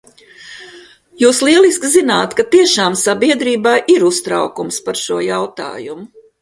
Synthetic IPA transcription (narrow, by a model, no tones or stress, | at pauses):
juːslˠiɛlˠiskzinaːt̪kat̪iɛʃaːmsabiɛd̪ɾiːbajʔiɾust̪ɾa̰wkumspaɾʃuɔjawt̪a̰ːjumʊ